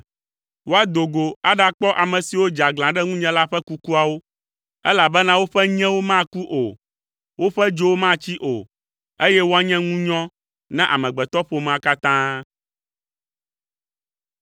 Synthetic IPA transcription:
wo˦a˦d̪o˨ɡo˨a˦ɖa˨k͡pɔ˦ʔa˨mɛ̃˨si˨wo˦d͡ʒa˨ɡlã˨ɖɛ˦ŋũ˦ɲɛ̃˦la˦ɸɛ˦ku˦ku˦a˨wo˦ | ɛ˦la˨bɛ˦nã˦wo˦ɸɛ˦ɲɛ̃˦wo˦mã˦ku˦ʔo˨ | wo˦ɸɛ˦d͡ʒo˦wo˦mã˦t͡ɕi˦ʔo˨ | e˦jɛ˦wo˦a˦ɲɛ̃˦ŋũ˦ɲɔ̃˦ | nã˦ʔa̰˨mɛ̃˨ɡ͡bɛ˨t̪ɔ˦ɸo˨mã˦ka˦t̪ã˦

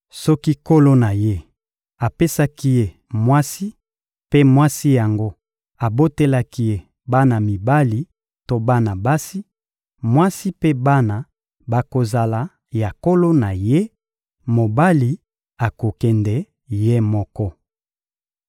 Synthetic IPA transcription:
sɔ˦ki˦ko˦lo˦na˨je˦ | a˨pe˦sa˦ki˦je˦ | mwa˦si˦ | pe˦mwa˦si˦ja˨ŋɡo˦ | a˨bo˦te˦la˦ki˦je˦ | ba˦na˨mi˨ba˦li˨ | to˦ba˦na˨ba˦si˦ | mwa˦si˦pe˦ba˦na˨ | ba˨ko˨za˨la˨ | ja˨ko˦lo˦na˨je˦ | mo˨ba˦li˨ | a˨ko˨kɛ˨ndɛ˨ | je˦mɔ˦kɔ˦

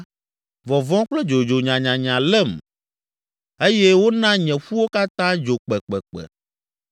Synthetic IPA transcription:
vɔ˨vɔ̃˦k͡plɛ˦d͡ʒo˨d͡ʒo˨ɲã˨ɲã˨ɲã˨lɛ˦˨m | e˦jɛ˦wo˦nã˦ɲɛ̃˨ɸu˦wo˦ka˦t̪ã˦d͡ʒo˨k͡pɛ˨k͡pɛ˨k͡pɛ̰˨

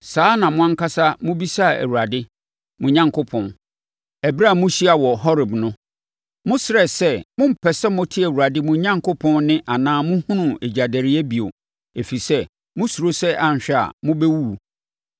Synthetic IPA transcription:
saː˦nã˨mʊ̃˦ã˦ŋka˦sa˦mʊ̃˦bi˦sa˦˨æ̰˨wu˨ɾa˨dɪ˦ | mʊ̃˨ɲã˦ŋkʰo˦pʰɔ̃˨n | æ˨bɾa˦˨mʊ̃˦ɕi˦a˨wɔ˨hɔ˦ɾɪ˨bnʊ̃˦ | mʊ̃˦sɪ˦ɾɛ˨sɛ˦mʊ̃˦m̩˨pʰɛ˨sɛ˦mʊ̃˦tʰi˦æ˨wu˨ɾa˨dɪ˦mʊ̃˦ɲã˦ŋkʰo˦pʰɔ̃˦nnɪ̃˦ʔa˨nãː˦mʊ̃˦hũ˦nũ˨e˨d͡ʑa˨dæ˨ɾɪ˦ɛ˦bi˨o̰˨ | e˨fi˨sɛ˦ | mʊ̃˦su˨ɾo˦sɛ˦ʔa˨n˨ɕᶣɛ˦a̰˨mʊ̃˦bɛ˦wu˦˨

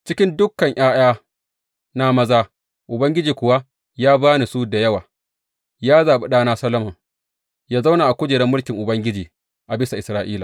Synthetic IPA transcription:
t͡ʃɪ˦kʲɪ˦ndʊ˦kːɐ˨ɲʔj̰aː˦j̰aː˦ | na˦mɐ˦zaː˦ | ʔʊ˨bɐ˦ŋɡʲɪ˦d͡ʒiː˨kʷʊ˨wa˦ | jaː˦baː˦ni˨suː˦da˨jɐ˦waː˨ | jaː˦zaː˨ɓi˨ɗaː˦naː˦sɐ˦lɐ˦mɐ˨ŋ | jaː˦za˦wna˨ʔa˨kʷʊ˦d͡ʒeː˨ɽɛ˦mːʊ˦lkʲɪ˨ŋʔʊ˨bɐ˦ŋɡʲɪ˦d͡ʒiː˨ | ʔa˨bɪ˦sa˨ʔɪ˨sɾaː˦ʔiː˦la˨

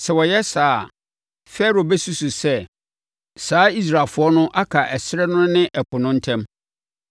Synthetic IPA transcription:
sɛ˨wɔ˨jɛ˦saː˨˦ | fɛ˦˨ɾo˨bɛ˦su˦su˨sɛ˦ | saː˨˦i˦s̬ɾa˨fʊ˨˦ɔ˦nʊ̃˦ʔa˦kʰa˨ʔɛ˨sɪ˦ɾɛ˦nʊ̃˦nɪ̃˦ʔɛ˨pʰʊ˨nʊ̃˦n̩˦tʰɛ̃˦m

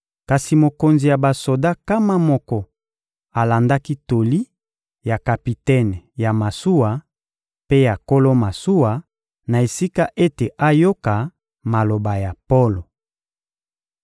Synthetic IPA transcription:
ka˨si˨mo˨ko˨nzi˨ja˨ba˨so˨da˦ka˦ma˦mɔ˦kɔ˦˨ | a˨la˨nda˦ki˦to˨li˦ | ja˨ka˨pi˨tɛ˦˨nja˨ma˨su˦wa˨ | pe˦ja˨ko˦lo˦ma˨su˦wa˨ | na˨e˨si˦ka˦ʔe˦te˨ʔa˦jo˦ka˨ | ma˨lo˨ba˨ja˨po˦lo˨

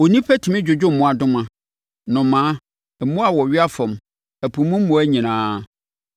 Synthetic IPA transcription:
o˨nĩ˦pʰæ˦tʰi˨mɪ̃˦d͡ʑᶣʊ˨d͡ʑᶣʊ˦m̩˨mʊ̃˦a˨dʊ̃˦mã˨ | nʊ̃˨mãː˨˦ | ɛ˨mʊ̃˦a˦˨wɔ˨ɥɪ˦a˦fɔ̃˨m | æ˨pʰũ˨˦mʊ̃˦m̩˦mʊ̃˨˦æ˦ɲĩ˨nãː˦

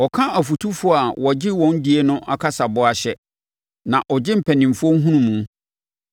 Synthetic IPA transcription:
ɔ˨kʰã˦a˨fu˨tʰu˦fʊ˦a˨wɔ˨d͡ʑɪ˦wɔ̃˨˦n˦di˦e˦nʊ̃˦ʔa̰˨kʰa˦sa˨bʊ˦a˨ɕɛ˦ | nã˨ʔɔ˨d͡ʑɪ˦m̩˨pʰæ˨nĩ˨m˨fʊ˦ɔ˦ŋ˦ɦũ˦nũ˦mũ˨˦

